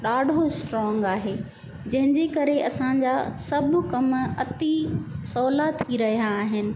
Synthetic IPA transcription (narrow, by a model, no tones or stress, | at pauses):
ɗaːɖʱosʈɾɔːŋɡaːɦeː | d͡ʑɐ̃ɦɪ̃ɲd͡ʑekɐɾeɐsãɲd͡ʑaːsɐbʱʊ̆kɐmɐt̪isɔːlat̪ʰiɾɐɦijaːɦɪnɪ̆